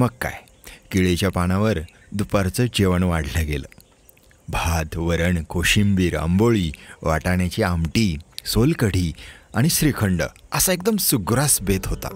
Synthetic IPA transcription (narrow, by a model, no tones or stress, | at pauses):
məɡka̰j | kiɭet͡ɕjapañãʋəɾ | d̪upaɾt͡səːd͡ʑeʋəɳʋaɽ̤ʱləɡelə̰ | bʱad̪ʋəɾəɳkʰoɕimbiːɾə̰mboɭiːʋa̰ʈaɳjat͡ɕiamʈiːsolkəɽ̤iːaɽ̃isɾikʰəɳɖə̰əsaekd̪əmsuɡɾasbet̪ɦot̪a̰